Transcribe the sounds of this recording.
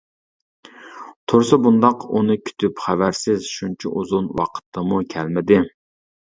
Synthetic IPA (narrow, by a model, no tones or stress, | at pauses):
t̪ʰoɾsɑbund̪ɑqunɨkʲʰy̥t̪ʰypχæwæɾsɪzʃunt͡ʃʰɛ̰ʔuzunwɑ̰qʰə̥t̪ʰːɑmukʲʰɛlmɪd̪ɪ